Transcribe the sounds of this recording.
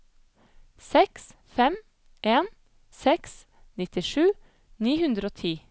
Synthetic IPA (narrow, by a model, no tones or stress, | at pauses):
sɛks | fɛm | ʔeːn | sɛks | nɪt̪ɪʃʉː | niːhʉnd̪ɾoːt̪ʰiː